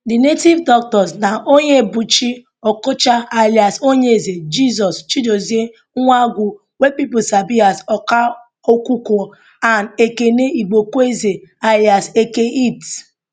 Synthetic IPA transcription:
dɪnetivdɔk̚tɔsnaʔoɲebut͡ʃi | ɔkot͡ʃaalɪasoɲeezed͡ʒizɔst͡ʃidozie | ŋʷaɡʷu | wepipʊsabiasɔka | okuku | anekeneiɡ͡bokuezealjasekeit

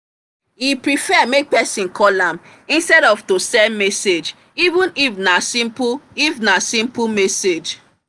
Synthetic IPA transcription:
ipɾifɛmek̚pɛsĩnkʰɔlãm | ĩnstɛɾɔvtosɛnmɛsed͡ʒ | ivũnifnasĩmpifnasĩmpumɛsed͡ʒ

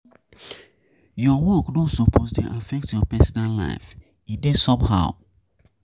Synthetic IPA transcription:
jɔwɔkdõsopʰositḭʔafɛk̚tjɔpɛsɔnalla̰ɪf | idẽsɔpha̰ʊ

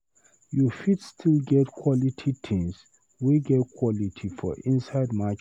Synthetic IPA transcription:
jufitstʰilɡɛtkʰwɔlitʰit̪ʰĩŋs | wiɡɛtkʰwɔlitʰifɔ̰ʔĩnsaɪdmak

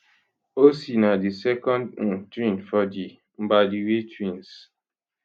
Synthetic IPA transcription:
osinadisɛkɔ̃nd̩twĩntfɔdi | m̩badiwetwĩns

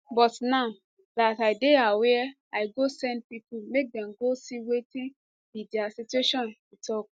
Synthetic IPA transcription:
bɔtnaʊ | dataɪdeawɛ | aɪɡosɛ̃nd̚pipumek̚dɛ̃mɡosiwetĩn | bidɛasitueʃɔ̃nwutʰɔk̚

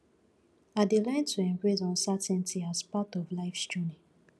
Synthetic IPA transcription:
adelãntʰuɛ̃mbɹesɔ̃nsatɛ̃ntʰiazpatɔvlaɪfst͡ʃunĩ

